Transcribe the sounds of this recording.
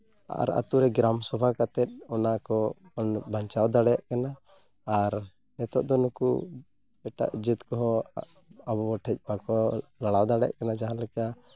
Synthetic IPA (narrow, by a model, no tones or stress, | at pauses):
a̰ɾa̰t̪uɾɛɡɾamsɔbʱakat̪ɛt̪̚ˀɔnakɔːnbʱaɲt͡ʃawd̪aɽɛjaʔkanaː | ɾ | ɛt̪ɔʔd̪ɔnukṵ | bɛʈa̰ʔd͡ʒit̪kɔɦɔ | abɔbɔʈʰɛc̚ˀbakɔlaɽawd̪aɽɛjaʔkanad͡ʒaɦãlɛka